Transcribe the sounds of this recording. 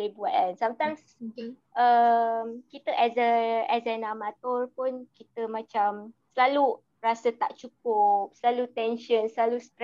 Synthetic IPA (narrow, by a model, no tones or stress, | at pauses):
lebuaʔansamt̪ajms | ʔəmkit̪əʔɛsəɛsənamat̪ɔrpʊnkit̪əmãt͡ʃamsəlalu | rasət̪aʔt͡ʃuk̚ʊp̚səlalut̪ɛnʃənsəlalust̪